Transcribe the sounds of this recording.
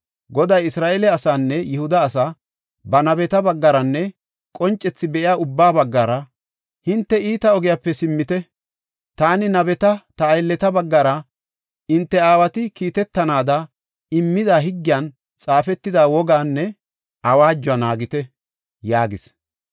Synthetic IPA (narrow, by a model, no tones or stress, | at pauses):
ɡɔd̪ɐjɪsɾaːʔɛlɛɐsaːnːɛjɪhʊd̪ɐːsa | bɐnɐbɛt̪ɐbɐɡːɐɾɐnːɛ | kʼɔnt͡ʃʼːɛt͡sːɪbɛʔɪjaːʊbːaːbɐɡːɐɾɐ | hɪnt̪ːɛiːt̪ɐɔɡɪjapːɛsɪmːɪt̪ɛ | t̪aːnɪnɐbɛt̪ɐt̪ɐːjlːɛt̪ɐbɐɡːɐɾɐ | ɪnt̪ːɛaːwɐt̪ɪkiːt̪ɛt̪ːɐnaːd̪ɐ | ɪmːɪd̪aːɦɪɡːɪjaːn | t͡sʼaːfɛt̪ːɪd̪aːwɔɡaːnːɛ | ɐwaːd͡ʒːʊɐnaːɡɪt̪ɛ | jaːɡɪs